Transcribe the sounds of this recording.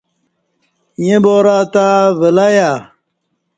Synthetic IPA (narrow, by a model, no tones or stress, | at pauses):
jẽboːɾaːt̪avəlaja